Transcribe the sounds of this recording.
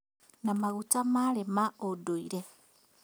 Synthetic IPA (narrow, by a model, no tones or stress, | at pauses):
namaɣutamaɾemaoduiɾe